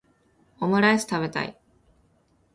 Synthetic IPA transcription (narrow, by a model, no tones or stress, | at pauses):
omɯɾaisɨ̥t̪aβe̞t̪a̰i